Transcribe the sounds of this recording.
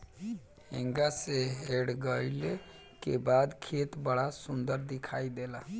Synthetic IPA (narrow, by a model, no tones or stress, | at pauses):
heŋɡaseɦeɽɡəjle | kebad̪kʰet̪bəɽasund̪əɾd̪ikʰaid̪ela